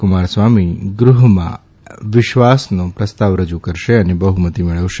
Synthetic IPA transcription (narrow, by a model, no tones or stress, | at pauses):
kʊmaɾsʋamiɡɾuɦəmã̰ | ʋɪʃʋasnõpɾəst̪aʋɾəd͡ʒukəɾʃeənebəɦumət̪imeɭəʋʃ